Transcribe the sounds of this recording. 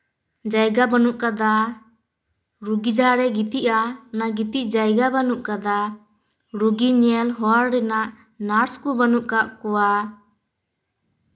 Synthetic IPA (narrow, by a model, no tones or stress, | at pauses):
d͡ʒajɡabanuʔkad̪a | ɾuɡid͡ʒaɾɛɡit̪iʔanaɡit̪iʔd͡ʒajɡabanuʔkad̪a | ɾuɡiɲɛlɦɔaɾɾɛnaʔ | naɾskubanuʔkaʔkɔwa